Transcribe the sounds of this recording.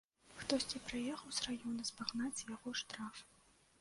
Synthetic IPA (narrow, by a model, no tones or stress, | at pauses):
xt̪ɔsʲt͡sʲipɾɨjɛxɐwsrajɔnɐspaɣnat͡sʲjaɣɔʂt̪ɾaf